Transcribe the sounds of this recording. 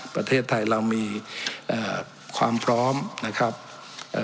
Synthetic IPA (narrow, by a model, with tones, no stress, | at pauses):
pɾa˧t̪ʰeː˥˩t̪ʰːa˧jɾa˧wmiː˧ʔaː˨˩ | kʰwaː˧mpʰɾɔː˦˥mna˦˥kʰɾa˦˥p̚ | ʔ